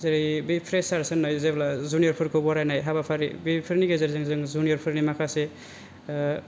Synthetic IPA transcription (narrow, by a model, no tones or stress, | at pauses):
zaɾibipʰɾesaɾsɯnːajzeblazunijɔɾpʰɯɾkʰɯbɔɾajnajɦabapʰaɾḭbipʰɯɾniɡezaɾizɯŋzɯŋzunijɔɾpʰɯɾnimakʰase